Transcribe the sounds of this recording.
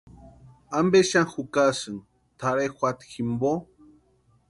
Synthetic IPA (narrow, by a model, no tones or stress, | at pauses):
ambeʃaŋxukasɨŋ | t̪ʰaɾexʷat̪ximbo